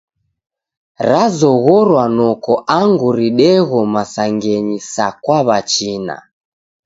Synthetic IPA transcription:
ɾazɔɣɔɾwanɔkɔʔaŋɡuɾiɗɛɣɔmasaŋɡɛɲisakwaβat͡ʃina̰

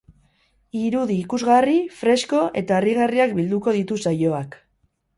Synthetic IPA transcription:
iɾuðiːkuzɣarifɾe̞sko̞ʔe̞t̪aeriɣ̞ariakbild̪uko̞ðit̪usajo̞ak

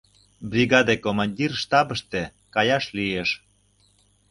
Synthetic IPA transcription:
bɾʲiɣɑd̪ekomɑnʲdʲirʃt̪ɑbəʃt̪e | kɑjɑʃlieʃ

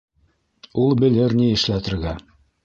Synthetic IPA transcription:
ulˠbɘ̆lɘɾniɘ̆ʃlæt̪ɘ̆ɾɡæ

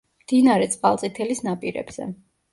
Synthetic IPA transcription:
md̪̥inaɾɛt̪sʼqʼalt̪sʼit̪ʰɛlisnapʼiɾɛ̰bz̥ɛ̰

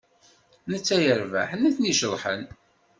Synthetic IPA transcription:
nət͡sːæjəɾvæ̰ħnæθniʃəlˤħə̰n

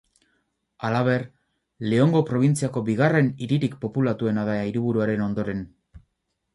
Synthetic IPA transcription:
alaβ̞e̞r | le̞o̞ŋɡo̞pɾo̞β̞int͡siako̞biɣ̞are̞niɾiɾikpo̞pulat̪ue̞nað̞aiɾiβ̞uɾuaɾe̞no̞nd̪o̞ɾe̞n

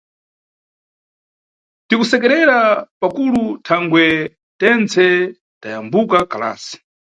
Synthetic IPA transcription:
tikusɛkɛɾɛɾapakulutʰaŋɡwɛ | tɛnt͡sʰɛ | tajambukakala̰ːsi̥

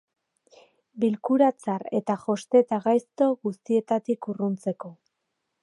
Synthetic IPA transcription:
bilkuɾat͡saɾe̞t̪axo̞st̪e̞t̪aɣajst̪o̞ɣust̪ie̞t̪at̪ikurunt͡se̞ko̞

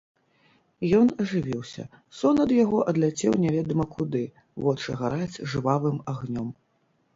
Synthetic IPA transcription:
jɔnɐʐɨvʲiwsʲɐ̰ | sɔnɐd̪jaɣɔʔɐd̪lʲat͡sʲɛwnʲɛvʲɛd̪ɐmɐkud̪ɨ | vɔt͡ʂɨɣaɾad͡zʲʐɨvavɨmaɣnʲɔm

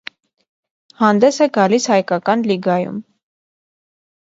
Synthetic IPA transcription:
hɑnd̪ɛsɛɡɑlishɑjkɑkɑnliɡɑjṵm

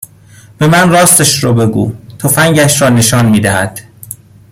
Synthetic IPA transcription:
b̥e̞mænrɒːst̪eʃɾɒːbe̞ɡṵːt̪ʰofæŋɟæʃɾɒːne̞ʃɒːnmiːd̪æɦæd̪̥

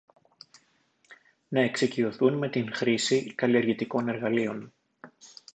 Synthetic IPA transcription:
nɐe̞ksicio̞θunme̞t̪inxɾisikɐliɐɾʝit̪iko̞ne̞ɾɣɐlio̞n

